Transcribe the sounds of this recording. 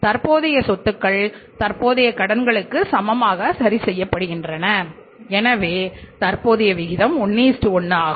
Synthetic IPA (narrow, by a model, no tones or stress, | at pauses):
t̪ɐɾpoːðɐjɐsɔt̪ːɯkːɐɭt̪ɐɾpoːðɐjɐkɐɽɐnɡɐɭɯkːɯsɐmɐmaːɣɐsɐɾisɛjːɐpːɐɽɯɣɪndrɐnɐ | ɛnɐʋeːt̪ɐɾpoːðɐjɐʋɪɣɪðɐmʊɳːiːsʈɯɔɳːaːɣ